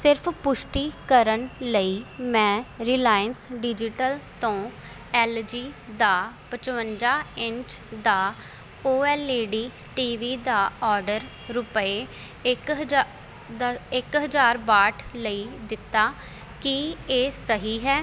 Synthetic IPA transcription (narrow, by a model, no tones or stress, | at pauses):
sɪɾpʰpʊʃʈiːkəɾənləiːmɛ̃ːɾiːlaːjənsɖɪd͡ʒɪʈəlt̪õː | ɛːld͡ʒiːd̪aːpət͡ʃʋənd͡ʒaːɪ̃ɲt͡ʃd̪aː | oːɛːleːɖiː | ʈiːʋiːd̪aːɔːɾɖəɾ | ɾʊpeː | ɪkɦ̪ | ɪkɦəd͡ʒaːɾbaːʈʰləiːd̪ɪt̪ːaː | kieːsəɦiːɦɛː